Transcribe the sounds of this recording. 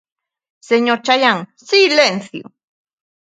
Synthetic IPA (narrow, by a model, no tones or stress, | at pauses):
seɲoɾt͡ʃajaŋsilenθjo̰